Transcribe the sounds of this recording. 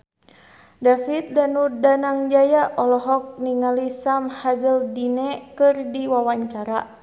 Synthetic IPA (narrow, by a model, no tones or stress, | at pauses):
dafit̪̚danudanaŋd͡ʒajaʔɔlɔɦɔk̚niŋalisamhazəldinɛkɨrdiwawaɲt͡ʃaɾa̰